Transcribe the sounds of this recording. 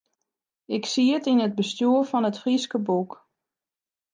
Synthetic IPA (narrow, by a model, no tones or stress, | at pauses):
ɪksiətinəd̚bəstjuəɹfɔnətfriskəbuk